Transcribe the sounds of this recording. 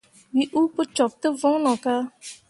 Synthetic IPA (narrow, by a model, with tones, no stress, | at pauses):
wi˨ʔu˦pʊ˦t͡ʃɔ˨p̚tɨ˦vɔ̃˦lɔ̃˨kaː˦